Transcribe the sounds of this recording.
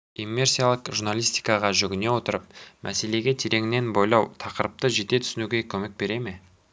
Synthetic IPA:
imːe̞rsijalˠəqʒurnalˠijst̪i̥jkɑʁɑʒʏɡʲɪne̞wo̞t̪əɾəp̚mʔæ̰se̞le̞ɡʲe̞t̪ʰe̞ɾe̞ɡɪne̞nbo̞jlˠɑwt̪ʰɑqəɾəp̚t̪əʒe̞t̪e̞t̪ʰʏ̥sɪnuɡʲe̞kʲʰɵme̞k̚be̞ɾe̞me

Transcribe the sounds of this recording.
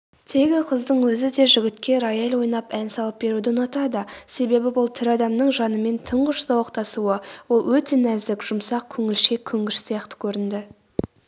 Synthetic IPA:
t̪ʰe̞ɡʲɪqʰəzd̪əɴwɵzɪd̪e̞ʒʏɡʲɪt̪kʲe̞ɾɑjɑlwo̞jnɑpænsɑlˠəp̚be̞ɾud̪ɪnɑt̪ɑd̪əse̞be̞bɪbolˠt̪ʰɪɾɑd̪ɑmnəɴʒɑnəme̞nt̪ʰəɴʁəʃsɑwɑqt̪ɑsuəwo̞lˠwɵt̪e̞næzd̪ɪkʒ̥ʊmsɑq̚kʲʰɵŋɪlʃe̞kʲʰːʏŋɡʲɪʃsijɑqt̪ə̥kʲʰɵɾɪnd̪ɪ

